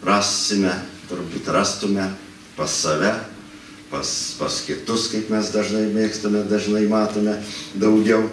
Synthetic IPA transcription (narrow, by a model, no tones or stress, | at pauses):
rɑːsʲɪmʲɛt̪ʊɾbuːt̪rɑːst̪ʊmʲɛ | pɐsːɐʋʲæ | pɐspɐskʲɪt̪ʊskɐɪpmʲɛsd̪ɐʒnɐɪmʲeːkst̪ɐmʲɛd̪ɐʒnɐɪmɑːt̪oːmʲɛd̪ɐʊɡʲɛʊ